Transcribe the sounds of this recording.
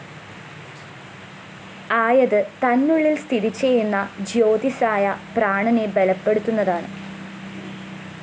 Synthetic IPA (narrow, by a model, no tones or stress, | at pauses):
aːjɐðɨt̪ɐnːuɭːilst̪ʰiɾit͡ɕːejunːɐd͡ʑo̞ːd̪isaːjɐpraːɳɐnebe̞lɐpːe̞ɽut̪ːunːɐðaːɳɨ